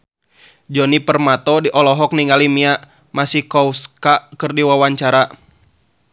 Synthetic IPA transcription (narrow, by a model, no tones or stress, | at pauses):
d͡ʒɔnipərmat̪ɔdiʔɔlɔɦɔk̚niŋɡalimiaʔ | masihkɔuskakɨrdiwawaɲt͡ʃaɾa